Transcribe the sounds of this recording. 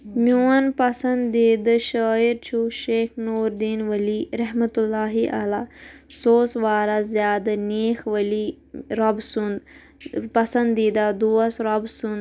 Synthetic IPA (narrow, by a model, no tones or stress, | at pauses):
muːɐnpɐsɐnd̪ːeːd̪ɐʃəːiɾt͡ʃʰuʃeːxnuːɾd̪iːnʋɐliːɾɐɦmɐt̪ulːaːɦiʔa̰laːsoːsʋaːɾazjaːd̪ɐneːxʋɐli | ɾɐbsund̪ | pɐsɐnd̪ːiːd̪ad̪uːɐsɾɐbsund̪